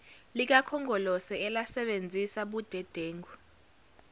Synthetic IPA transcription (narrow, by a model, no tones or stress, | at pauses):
lik̬akʰɔŋɔlɔsɛɛlasɛɓend͡zʱisaɓud̥ʱɛd̥ʱeːŋɡʱu